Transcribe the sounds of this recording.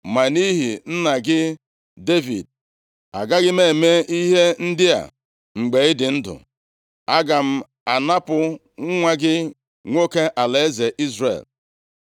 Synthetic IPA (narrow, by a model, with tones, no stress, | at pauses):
ma˨ni˦ɦi˨n̩˦na˨ɡɪ˦ | de˦vḭ˨d̚ | a̰˨ɡa˦ɡɪ˦me˦˨me˦i˦ɦe˦n̩˦dɪ˦a̰˨ | ŋ͡m̩˨ɡ͡be˨˦ɪ˦dɪ˨n̩˦dʊ̰˨ | a˦ɡa˨m̩˦ | a˨na˦pʊ˨ | ŋ̩˦ŋʷa˦ɡɪ˦ | ŋʷo˦ke˦ʔa˨le˨˦e˦ze˨ʔi˦zrḛ˨l